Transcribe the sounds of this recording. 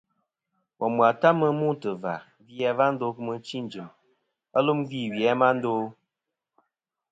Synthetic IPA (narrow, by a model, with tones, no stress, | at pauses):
wɔ˨mwa˨ta˦mə˦mu˦tɨ˨va̰˨ | vjɛ˨˦va˦n̩˦do˦kɨ˦mɨ˧t͡ʃi˦˨n˨d͡ʒɨ˨m | a˦lu˦m˦vi˦˨wjɛ˨˦ma˦n̩˦do˦